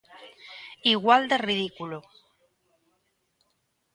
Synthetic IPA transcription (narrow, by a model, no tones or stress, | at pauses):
iɣwald̪erið̞ikulo